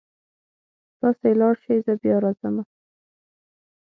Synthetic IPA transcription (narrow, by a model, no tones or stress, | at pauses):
t̪ɑsoelɑɽʃejzəbjɑɾɑzama